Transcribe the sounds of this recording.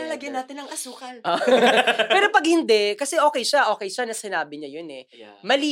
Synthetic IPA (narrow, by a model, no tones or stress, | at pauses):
ɐlɐɡɐnaːt̪ɪnɐŋʔɐsuːkɐlʔo | pɛːɾo̞pɐɡ̚hɪnd̪ɛʔkɐsɛʔo̞ːkɛjʃɐʔo̞ːkɛjʃɐnɐsɪnaːbɪɲɐjonɛ | mɐliː